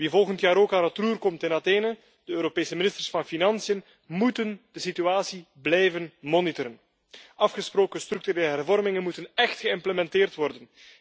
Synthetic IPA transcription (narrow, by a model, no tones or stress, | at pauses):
ʋivɔlˠɣəntjaːɾoːkaːnətruːrkɔmtɪnateːnə | d̥əøːɾopeːsəmɪnɪstərsfɑnfinɑnsijən | mutənd̥əsityaːsi | blɛjvənmɔnɪtəɾən | ɑfxəsproːkənst̪ɾʏk̚tyɾeːləɦɛrvɔrmɪŋənmutənɛxtxəɪmpləmɛntɪːrtʋɔrdən